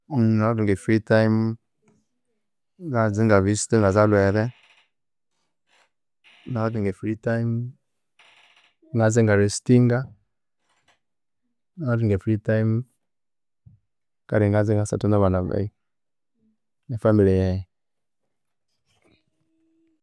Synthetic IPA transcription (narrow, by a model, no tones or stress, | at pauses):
nadiŋɡefɾitaim | ɡaziŋɡavistiŋɡazalwɛɾɛ | naadiŋɡefɾitaim | ŋɡaziŋɡaɾistiŋɡa | naadiŋɡefɾitaim | ka̰ɾiŋɡaziŋɡasa̰tunaβanava̰i | efamilejɛ